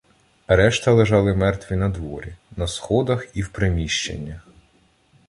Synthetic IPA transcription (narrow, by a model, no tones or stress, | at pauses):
ɾɛʃt̪ɐlˠeʒɑlˠɪmɛrt̪ʋʲinɐd̪ʋɔ̰ɾʲinɐsxɔd̪ɐxiwpɾemʲiʃt͡ʃḛnʲːɐx